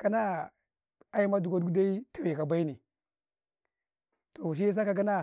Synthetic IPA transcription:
ka˦na˦ | a˦ji˦ma˦du˨ɡʷa˦du˦da˦i˦ta˨we˨ka˨ba˦i˦ni˨ | to˨ʃ̬i˦s̬a˦ka˨ɡa˦na˦

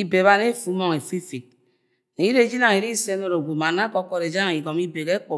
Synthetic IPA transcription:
i˦be˨βa˦ne˦fu˨˦mɔ˨ŋe˨fi˦fi˨k̚ | ne˨˦i˦ɾe˦d͡ʒi˦na˨ŋ˨i˨ɾi˦se˦no˦ɾo˨ɡʷu˨ma˨na˦kɔ˦kɔ˨ɾe˨d͡ʒa˦a˨i˨ɡɔ˨mi˦be˨ɣe˦k͡po˨

